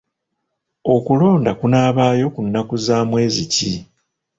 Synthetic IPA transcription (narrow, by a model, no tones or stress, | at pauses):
o̞kulo̞ːndakunaːβaːjo̞kunːakuzaːmwe̞ːzici